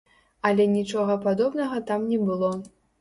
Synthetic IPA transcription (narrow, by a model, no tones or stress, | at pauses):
ɐlʲɛnʲit͡ʂɔɣɐpad̪ɔbnɐɣɐt̪amnʲɛbɨlˠɔ